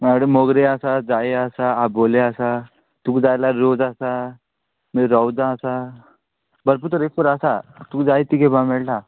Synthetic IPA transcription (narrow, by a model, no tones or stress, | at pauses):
maɽemoɡɾeəsad͡zaeəsaaboleasa | t̪uːkd͡zajlaɾod͡zasa | miɾɔwd͡zaːsa | bəɾp̬uɾt̪əɾepəɾasat̪ukd͡zajt̪ikebamɛɭʈa